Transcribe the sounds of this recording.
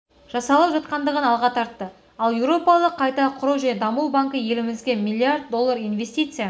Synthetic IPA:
ʒ̥ɑsɑlˠəpʒɑt̪̚qɑnd̪əʁənɑlˠʁɑt̪ʰɑɾt̪ːə | ɑlˠjewɾo̞pɑlˠəqʰːɑjt̪ɑqʰʊɾəwʒæned̪ɑmuwˠbaŋkəje̞lɪmɪzɡʲe̞mʲilʲˠːiaɾd̪̚d̪o̞lˠːaɾijnvʲe̞st̪ijt̪sɨja

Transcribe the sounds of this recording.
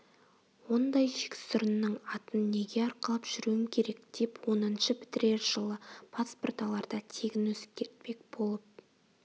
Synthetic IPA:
wo̞nd̪ɑjʒe̥kʲɪ̥sʊɾənːəɴɑt̪ənːe̞ɡʲe̞ɑɾqəlˠəpʒ̥ʏɾuwɪmkʲʰe̞ɾe̞k̚d̪̥e̞pwo̞nənʃəpʰɪ̥t̪ɪɾe̞ɾʒəlˠəpʰasport̪ɑlˠɑɾd̪ɑt̪ʰe̞ɡʲɪnwɵzɪ̥p̚kʲʰːe̞ɾt̪̚pe̞k̚b̥o̞lˠəp̚

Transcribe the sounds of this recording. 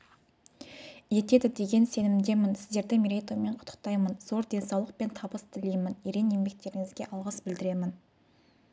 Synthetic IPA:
je̞t̪e̞d̪ɪd̪e̞ɡʲe̞nse̞nɪmd̪e̞mɪnsɪzd̪e̞ɾd̪ɪmiɾejt̪ome̞ɴqʰʊ̥t̪ʰːə̥qt̪ɑjmənzo̞ɾd̪e̞nsɑwlˠəq̚pe̞nt̪ʰɑbəst̪ʰɪlijmɪneɾenje̞mbe̞k̚t̪e̞ɾɪŋɪzɡʲeʔɑlˠʁɑsbɪld̪ɪɾe̞mɪn

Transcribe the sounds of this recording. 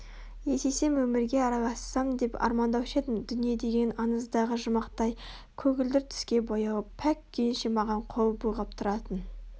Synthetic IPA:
je̞se̞se̞mwɵmɪɾɡʲe̞ɑɾɑlˠɑssɑmd̪e̞pɑ̰ɾmɑnd̪ɑwʃe̞d̪ɪmd̪ʏnijed̪e̞ɡʲe̞nɑnəzd̪ɑʁəʒəmɑqt̪ɑj | kʲʰɵɡʲɪld̪ɪɾt̪ʰʏ̥skʲe̞bo̞jɑwəpʰækːʲʰejnʃemɑʁɑɴqʰo̞lˠbujʁɑp̚t̪ʰʊɾɑt̪ən

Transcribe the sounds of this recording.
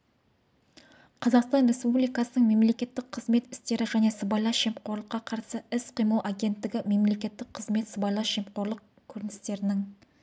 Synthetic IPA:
qʰɑzɑqst̪ɑnɾe̞spublijkɑsənəɴme̞mle̞kʲe̞t̪ːɪkqʰəzme̞t̪ɪ̥st̪e̞ɾɪʒæne̞səbɑjlˠɑʃe̞mqʰo̞ɾlˠəqːɑqʰɑɾsəɪsqʰijməlˠʔaɡʲe̞nt̪ːɪɡʲɪme̞mle̞kʲe̞t̪ːɪkqʰəzme̞t̪səbɑjlˠɑʃe̞mqo̞ɾlˠəq̚ | kʲʰɵɾɪnɪst̪e̞ɾɪnɪŋ

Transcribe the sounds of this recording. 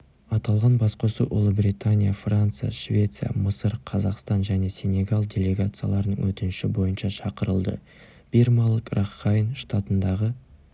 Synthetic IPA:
ɑt̪ɑlˠʁɑnbɑsqosuʔʊ̰lˠəbɾʲit̪anʲijafrant̪sɨja̰ʃvʲe̞t̪sɨja̰məsəɾqʰɑzɑqst̪ɑnʒæne̞sʲe̞nʲe̞ɡalˠdʲe̞le̞ɡat̪sɨja̰lˠɑɾənə̰ŋwɵt̪ɪnʃɪbo̞jənʃɑʃɑqəɾəlˠd̪ə̰ | b̥irmɑlˠəkrʔaχːɑjnʃt̪at̪ənd̪ɑʁə

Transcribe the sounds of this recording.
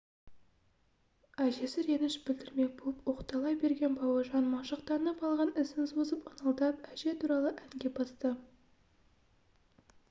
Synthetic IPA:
æʒe̞sɪɾe̞nɪʃbɪld̪ɪɾme̞k̚bolˠəpwo̞qt̪ɑlˠɑjbe̞ɾɡʲe̞nbɑwɑʒɑnmɑʃəq̚t̪ɑnəpɑlˠʁɑnɪsɪnsozəpɑnɑlˠd̪ɑp̚æʒe̞t̪ʰuɾɑlˠəʔæŋɡʲe̞bɑst̪ə

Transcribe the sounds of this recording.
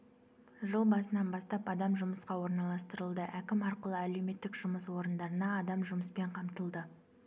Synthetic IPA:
ʒəlˠbɑsənɑnbɑst̪ɑpɑd̪ɑmʒʊməsqɑwo̞ɾnɑlˠɑst̪əɾəlˠd̪əʔækʲɪmɑɾqəlˠəæle̞wme̞t̪ːɪkʒ̥ʊməswo̞ɾənd̪ɑɾənɑːd̪ɑmʒʊməspe̞ɴqʰɑmt̪əlˠd̪ə

